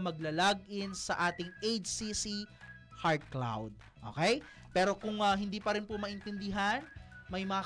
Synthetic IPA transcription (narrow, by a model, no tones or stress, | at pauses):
mɐɡ̚lɐlaɡ̚ʔɪnsɐʔaːt̪ɪŋejt͡ʃsisi | haɹt̪̚kla̰wd̪̚ | ʔo̰kɛj | pɛːɾo̞kʊŋɐɦɪnd̪iːpɐɾɪnpomɐʔɪnt̪ɪnd̪ɪɦanmɐjmɐŋa